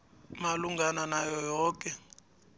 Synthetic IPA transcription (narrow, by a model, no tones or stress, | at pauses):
maluŋɡananajɔjɔːkʼɛ